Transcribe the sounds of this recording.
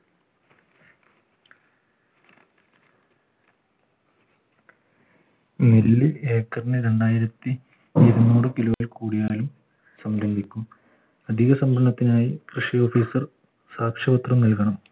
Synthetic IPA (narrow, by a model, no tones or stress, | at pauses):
melːieːkːɐrnɨɾeɳɖaːjiɾɐt̪ːi | eðunuːɽɨkiloːjɐlkuːɽijaːlum | sɐmlɐmb̪ʱikʲːum | ɐd̪ʱiɣɐsɐmbʱɐɳːɐt̪ːinaːjikrɨʂijo̞ːfiːsɐr | saːkʂɐbɐt̪rɐmnilkɐɳɐm